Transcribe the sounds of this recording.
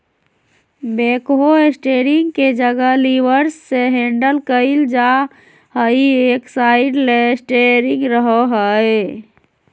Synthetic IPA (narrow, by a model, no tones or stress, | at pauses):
bekɦoesʈeɾiŋɡked͡ʒəɡəɦliʋəɾsːeɦeɳɖəlkəɪld͡ʒa | həieksaɪɖlesʈeɾĩŋɡɾəɦəɦəe